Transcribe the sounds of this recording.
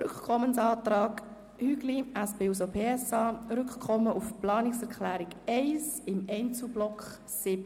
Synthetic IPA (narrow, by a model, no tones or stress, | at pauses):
ɾʏkkʰɔmənsɑːt̪ɾɑːk | hyɡliæsbeːus̬opʰeːɛsɑːɾʏkkʰɔmːəʔufplɑːnɪksɛʁkʰlæːɾɪkɛɪsɪmɛɪnt͡sublɔkχ | sɪb̥ə